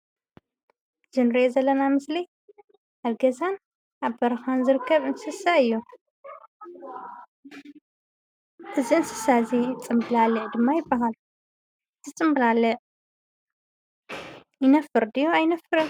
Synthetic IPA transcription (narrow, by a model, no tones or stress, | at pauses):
z̥ɨnɾiʔezɐlːɐnamɨsli | ʔalɡɐzan | ʔaβbɐɾɐxanzɨɾɨkʰːɐβɨnsɨsaɨjːu | ʔɨziɨnsɨ̥sazit͡sʼɨmbɨlalɨʕd̪ɨmːajɪbːaɦal | zʰɨt͡sʼɨmbɨlalɨʕ | jɪnɐfɨɾd̪ɨjoajnɐfɨɾɨ